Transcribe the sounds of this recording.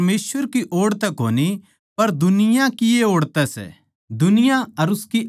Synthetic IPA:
meːsʋəɾkiʔoːɽt̪ɛkɦo̰ːni | pɐɾd̪ʊnɪjãkɪeoːɽt̪ɛsɛ̰ː | d̪ʊnɪjaɐɾʊski

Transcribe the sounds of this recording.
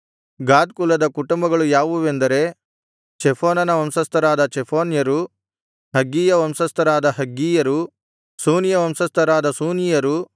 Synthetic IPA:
ɡaːd̪̚kulɐd̪ɐkuʈumbɐɡɐɭujaːʋuʋend̪ɐɾe̞ | t͡ʃɛpʰoːnɐnɐʋɐmsɐst̪ʰɐɾaːd̪ɐt͡ʃepʰoːnjɐɾu | ɦɐɡːiːjɐʋɐmsɐst̪ʰɐɾaːd̪ɐɦɐɡːiːjɐɾu | suːnjɐʋɐmsɐst̪ʰɐɾaːd̪ɐsuːnijɐɾu

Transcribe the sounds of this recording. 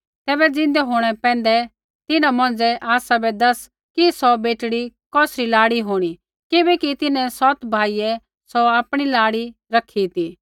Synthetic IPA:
t̪ɛːbɛd͡zɪ̃n̆d̪ɛɦoːɽ̃ɛpɛ̃ːn̆d̪ɛ | t̪ɪnãmɔ̃ːn̆d͡zɛʔaːsabɛd̪ɐs | kisɔbeːʈɽikɔːsɾilaːɽiɦoːɽ̃i | kɪbɛkit̪ɪnɛ̃sɔt̪bʱaːijɛ | sɔaːpɽ̃ilaːɽi | ɾɐkʰit̪iː

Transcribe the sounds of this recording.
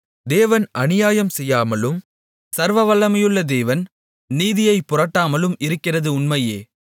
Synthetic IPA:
d̪eːʋɐnʔɐnɪjaːjɐmsɛjːaːmɐlɯm | sɐɾʋɐʋɐlːɐmɐjɯɭːɐd̪eːʋɐn | niːðɪjɐɪpːʊrɐʈːaːmɐlɯmɪɾɯkːɪrɐðɯʊnmɐjeː

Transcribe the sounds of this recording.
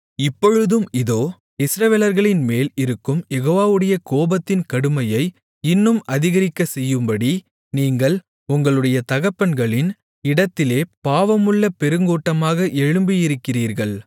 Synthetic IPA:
ɪpːɔɻɯðɯmɪðoː | ɪsɾɐʋeːlɐɾɣɐɭɪnmeːlɪɾɯkːɯmjɛɣoːʋaːʋɯɽɐjɐkoːbɐt̪ːɪnkɐɽɯmɐjɐɪ | ɪnːɯmɐðɪɣɐɾɪkːɐsɛjːɯmbɐɽi | niːŋɡɐɭ | ʊŋɡɐɭɯɽɐjɐt̪ɐɣɐpːɐnɡɐɭɪn | ɪɽɐt̪ːɪleːpaːʋɐmɯɭːɐpɛɾɯŋɡoːʈːɐmaːɣɐʔɛɻɯmbijɪɾɯkːɪriːɾɣɐɭ

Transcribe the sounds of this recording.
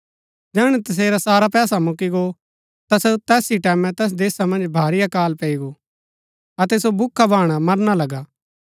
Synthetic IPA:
d͡ʒɛːɽ̃ɛt̪ɐs̬eːɾasaːɾapɛːsamʊkiɡo | t̪asot̪ɛːsiʈɛːmɛ̃t̪ɛs̬d̪eːsamɐ̃nd͡ʒbʱaːɾɪjakaːlpeːiɡo | ɐt̪ɛsobʊkʰːabʱaːɽ̃amɐɾñalɐɡaː

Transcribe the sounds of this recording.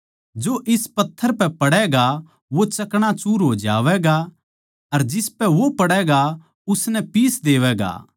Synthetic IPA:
d͡ʒoʔɪspɐt̪ʰːəɾpɛpɐɽɛɡa | ʋot͡ʃɐkɽ̃at͡ʃuːɾɦoːd͡ʒa̰ːʋɛɡa | ɐɾd͡ʒɪspɛʋopɐɽɛɡa | ʊsnɛpiːsd̪eːʋɛɡa̰ː

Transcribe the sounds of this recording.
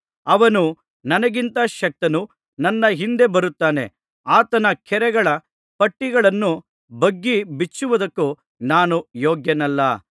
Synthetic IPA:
ɐʋɐnu | nɐnɐɡint̪ɐʃɐk̚t̪ɐnu | nɐnːɐɦind̪e̞bɐɾut̪ːaːne̞̰ | aːt̪ɐnɐkʰɛɾɛɡɐɭɐ | pɐʈːiɡɐɭɐnːu | bɐɡːibit͡ʃːuʋud̪ɐkːu | naːnujoːɡjɐnɐlːɐ

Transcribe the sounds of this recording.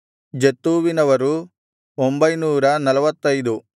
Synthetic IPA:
d͡ʒet̪ːuːʋinɐʋɐɾu | ombɐjnuːɾɐnɐlɐʋɐt̪ːɐjd̪u

